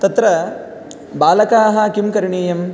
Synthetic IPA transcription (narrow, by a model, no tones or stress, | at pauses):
t̪ɐt̪ɾɐ | baːlɐkaːɦɐkimkɐɾɳiːjɐm